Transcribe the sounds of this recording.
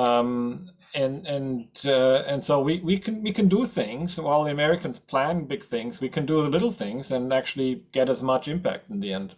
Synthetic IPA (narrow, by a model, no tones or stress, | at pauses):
ʌm | ɨ̃nɨ̃nʌɨ̃nsoʊwiwikʰɨ̃nwikʰɨ̃ndəθɪ̃ŋz̥waɪlˠðiɨmɛɹɨkɨ̃n̩z̥pʰl̥æ̃nbɪɡ̥θɪ̃ŋzwikʰɨ̃ndɨðəlɪɾl̩ˠθɪ̃ŋzɨ̃næk̚t͡ʃʉl̩ˠiɡ̥ɛɾɨzmʌt͡ʃɪ̃mpæ̰k̚tn̩ðiɛ̃nd̥